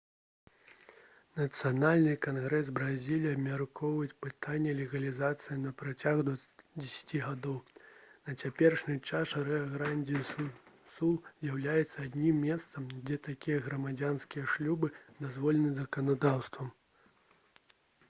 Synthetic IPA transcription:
nɐt̪sɨjanalʲnɨkanɣɾɛs̬bɾazʲilʲiɐbmʲarkʰɔwvɐjt͡sʲpɨt̪ʰanʲːɛlʲɛɣɐlʲizat̪sɨjinɐpɾat͡sʲaɣd̪ɐd͡zʲesʲḁt͡sʲiɣad̪ɔwnɐt͡sʲapʲɛrʂnʲit͡ʂaʂɾɛaɣɾanʲd͡zʲi | sulˠzʲjawlʲajɛt̪sːɐad̪ʲnʲimːʲɛst̪sɐmd͡zʲɛt̪akʲijɛɣɾɐmad͡zʲanskʲijɛʂlʲubɨd̪azvɔlʲɛnɨzɐkɐnad̪awst̪vɐm

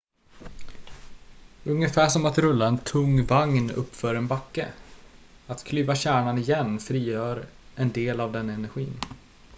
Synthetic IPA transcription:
ɵŋjəfæːʂɔmat̪ɾɵlːaɛnt̪ʰɵŋvaŋnɵ̰pːfœɾɛnbakːə̰ | at̪kʰlyːvaɕæːɳanɪjɛnːfɾiːjœːɾɛnd̪eːlavd̪ɛnːɛnæɾɧḭːn

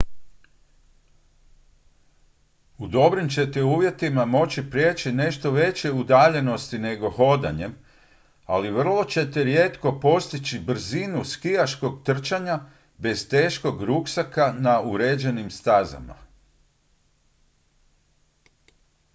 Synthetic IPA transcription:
ud̪o̞bɾimt͡ɕe̞t̪euːʋje̞t̪imamo̞t͡ɕipɾʲjeːt͡ɕine̞ʃt̪o̞ʋe̞t͡ɕe̞ud̪aːʎe̞no̞st̪ine̞ɡo̞ho̞d̪a̰ɲe̞m | aliʋr̩lˠo̞t͡ɕe̞t̪eɾje̞ːt̪ko̞po̞st̪it͡ɕibr̩zinuskijaʃko̞ɡt̪r̩t͡ʃaɲa | be̞z̥t̪e̞ːʃko̞ɡɾuksakanauɾe̞ːd͡ʑe̞nimst̪aza̰ma̰

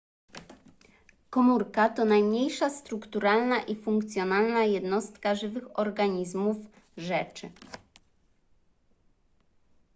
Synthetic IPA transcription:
kɔmuɾkat̪ɔnajmɲejʂast̪ɾukt̪uɾalnaʔifuŋkt̪sʲjɔnalnajɛd̪nɔst̪kaʐɘvɘxɔɾɡaɲizmuf | ʐɛt͡ʂɘ

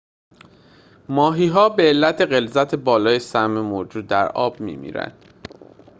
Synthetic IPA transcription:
mɒːɦiːɦɒːbe̞ːlːæt̪ʰe̞ɣe̞lzæt̪ʰe̞bɒːlɒːjesæmemoɾd͡ʒuːd̪̚d̪æɾɒːb̚mḭːmḭːɾæ̰nd̪̥

